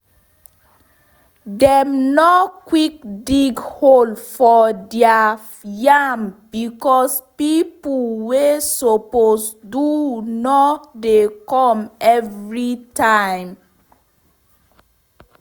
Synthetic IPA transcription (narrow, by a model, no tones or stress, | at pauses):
dɛmnokwik̚diɡholfɔdɛa | jambikɔspipulwesoposdunɔdekɔ̃mɛvɹitãɪ̃m